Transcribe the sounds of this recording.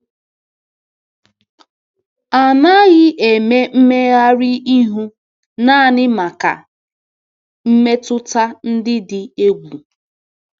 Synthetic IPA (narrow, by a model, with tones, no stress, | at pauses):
a˨na˦ɣɪ˦ʔe˨me˦m̩˦me˦ɣa˦ɾɪ˦i˦ɦu˦ | na˦˨nɪ˦ma˨ka̰˨ | m̩˦me˦tʊ˦ta˦n̩˦dɪ˦dɪ˨e˦ɡʷu˨